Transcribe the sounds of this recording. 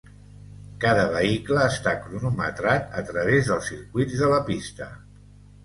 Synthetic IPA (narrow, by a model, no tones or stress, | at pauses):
kaðəβ̞əikləːst̪akɾunumə̰t̪ɾat̪ət̪ɾəβezðəlˠsiɾkwid͡zðələpist̪ə